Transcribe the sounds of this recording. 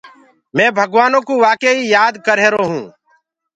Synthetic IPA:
mẽːbʱəɡʋaːnõːkuːʋaːkeiːjaːd̪kəɾeːɾoːɦũː

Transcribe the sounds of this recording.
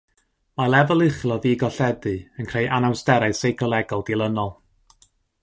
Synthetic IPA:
malˠɛvɔlˠɨχlˠɔviːɡɔɬɛdɨənkʰr̥eɨʔanawstɛɾaɨsejɡʰɔlˠɛɡɔlˠd̥ilˠənɔlˠ

